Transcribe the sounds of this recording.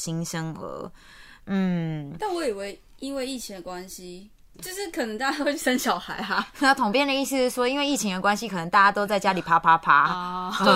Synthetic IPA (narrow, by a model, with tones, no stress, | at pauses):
ɕi˥ŋʂə˥ŋə̰˧˦ | n̩˥˩t̪a˥˩nwɔ˨˦i˨˩we˥˩ɪ | i˦˥nwe˥˧ɪi˥˩t͡ɕʰi˧˦d̪ə˨˩kwa˦nɕi˦ | t͡ɕjo˥˧ʊʂɻ̩˥˩kʰɤ˨˩nə˧˦ŋt̪a˥˩t͡ɕa˥o˥y˥˩ʂə˦nɕjɑ˨˩ʊxa˧˦ɪa˧˦a˥˧˩t̪ʰʊ˨ŋpjɛ˥˩nd̪ə˩i˥˧s̩˥˧˥ʂwɔ˥i˥nwe˥˧ɪi˥˩t͡ɕʰi˧˦ŋd̪ə˨kwa˥nɕi˦kʰɤ˨˩nə˧˦ŋt̪a˥˩t͡ɕja˥t̪o˥ʊt͡sa˥˩ɪt͡ɕja˦˥li˨˩pʰa˦˥pʰa˥pʰa˦˥˧